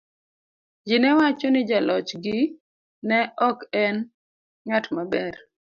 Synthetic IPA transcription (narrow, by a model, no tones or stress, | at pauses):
d͡ʒɪnɛwat͡ʃɔnɪd͡ʒalɔt͡ʃɡɪ | nɛɔkɛn | ŋatmabɛr